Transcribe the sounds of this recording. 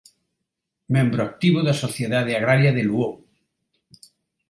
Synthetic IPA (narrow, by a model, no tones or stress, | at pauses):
mẽmbɾoak̚t̪iβ̞oðasoθjeðaðeaɣ̞ɾaɾjaðeluoŋ